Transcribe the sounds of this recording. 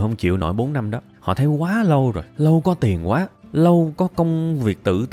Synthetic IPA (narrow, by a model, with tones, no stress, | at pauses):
hə˧wŋ͡mt͡ɕḭ˧˨əwno̰˧˩jɓo˨˦nːa˧mɗɔ˨˦hɔ̰˧˨˩t̪ʰə˨˦jkwaː˨˦lə˧wzo˨˩jlə˧wkɔ˨˦t̪i˨˩ənkwaː˨˦lə˧wkɔ˨˦kə˧wŋ͡mvi˨˩ək̚t̪ɨ̰˧˨t̪